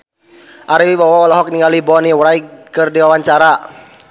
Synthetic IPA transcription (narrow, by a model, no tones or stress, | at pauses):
ʔaɾiwibawaɔlɔɦɔk̚niŋɡalibɔniwɾaiɡkɨrdiwawaɲt͡ʃaɾa